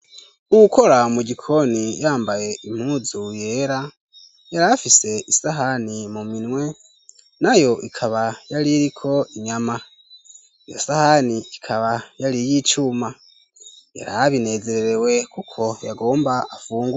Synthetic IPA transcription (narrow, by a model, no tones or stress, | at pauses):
uwuko̞ɾamuɟikʰo̞nijaːmbaje̞im̥huzuje̞ːɾa | jaɾafise̞ʔisaɦanimuminŋwe̞ | najo̞ʔikʰaβajaɾiɾikʰo̞iɲama | ijo̰sahaniikʰaβajaɾijit͡ʃuma | ja̰ɾaβine̞ze̞ɾeɾewe̞kukʰo̞jaɡo̞ːmbaʔafuːŋɡu